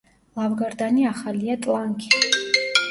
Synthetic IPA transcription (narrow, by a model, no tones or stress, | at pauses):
lˠavɡaɾd̪aniaχaliat̪ʼlˠaŋkʰʼi̥